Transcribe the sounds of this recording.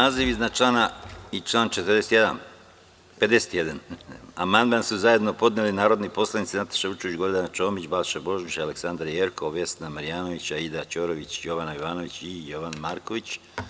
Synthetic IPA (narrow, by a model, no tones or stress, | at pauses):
naːziʋiznat͡ʃlˠaːnait͡ʃlˠaːnt͡ʃe̞t̪rd̪eset̪jed̪a̰n | pe̞d̪e̞set̪je̞d̪anamand̪mansuzaje̞d̪no̞po̞d̪nelinaːɾo̞d̪nipo̞slˠanit̪sinat̪ḁʃeʋut͡ʃoʋid͡ʑɡo̞ɾd̪anat͡ʃo̞ːmit͡ɕbalʃebo̞ʒmiʃaleksand̪ɾajeɾkoʋje̞st̪namaɾijaːno̞ʋit͡ɕaid̪at͡ɕoːɾoʋit͡ɕjo̞ʋanajoʋaːno̞ʋit͡ɕijo̞ʋanmaːɾkoʋit͡ɕ